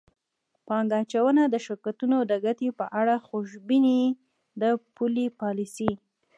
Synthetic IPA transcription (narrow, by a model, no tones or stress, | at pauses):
pɑŋɡaːt͡ʃawənad̪əʃɪɾkat̪unod̪əɡat̪ipəʔaɽaxuʃbini | d̪əpulipɑlisi